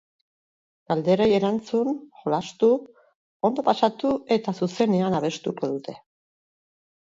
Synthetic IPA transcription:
ɡ̥ald̪e̞ɾeje̞ɾant͡sunxolast̪u | o̞nd̪o̞pasat̪ue̞t̪asuse̞ne̞anaβ̞e̞st̪uko̞ðut̪e̞

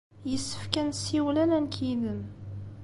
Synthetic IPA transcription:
jəsːə̥fkænsiwlælænkʰiðəm

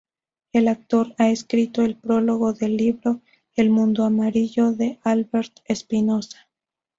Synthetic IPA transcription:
e̞lak̚t̪o̞ɾaeskɾit̪o̞e̞lpɾo̞lo̞ɣo̞ðe̞lːiβɾo̞ | elmũnd̪oamaɾiʝo̞ðe̞alβeɾt̪espino̞sḁ

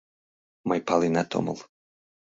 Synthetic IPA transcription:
majpalˠinat̪ʰɔ̰mo̰lˠ

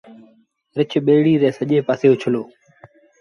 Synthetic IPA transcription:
ɾɪt͡ʃʰɓeːɽiːɾɛ̃ːsəʄẽːpaːseːot͡ʃʰəloː

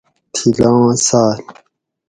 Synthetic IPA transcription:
t̪ʰilãsaːl

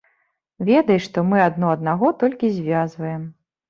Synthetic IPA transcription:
vʲɛd̪ɐjʂt̪ɔmɨad̪nɔɐd̪̚naɣɔt̪ɔlʲkʲizʲvʲazvɐjɛm

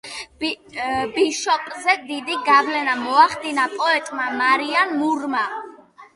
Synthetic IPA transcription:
bbiʃɔpʼzɛd̪id̪iɡavlɛnamɔaχd̪inapʼɔɛt̪ʼmamaɾianmuɾma

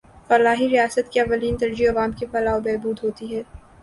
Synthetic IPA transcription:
fɐlaːɦiɾijaːsət̪kiɐʋːɐliːnt̪ɐɾd͡ʒiɐʋaːmkefɐlaːobɛːbuːd̪ɦoːt̪iɦɛː

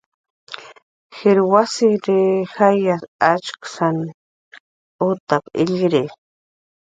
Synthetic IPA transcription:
xiɾwasiɾixajasat͡ʃksan | ut̪apḭʎɡɾe

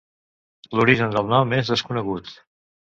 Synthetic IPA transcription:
luɾiʒənd̪əlˠnɔmːezðəskunəɣut̪

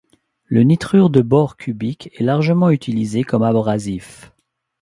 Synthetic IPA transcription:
lənit̪χyʁd̪əbɔʁkʲʰybikʰɛlaʁʒəmɑ̃yt̪ʰilizekɔmabʁazif

